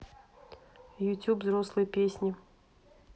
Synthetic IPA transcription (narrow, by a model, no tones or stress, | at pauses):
jʊtʲupzɾoslˠɨjəpʲesʲnʲɪ